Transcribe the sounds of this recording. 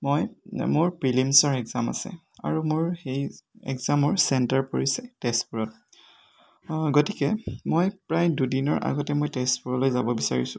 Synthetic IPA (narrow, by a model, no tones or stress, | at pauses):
mojmʊɹpɹilimsɔɹɛkzama̰sɛ̰ | a̰ɹumʊɹxejɛ̰kzamɔɹsɛntaɹpoɹisɛtɛstpuɹɔt̚ | ɡotikɛmojpɹajdudinɔɹʔa̰ɡɔtɛmojtɛstpuɹɔlojzabɔbisaɹisʊ̥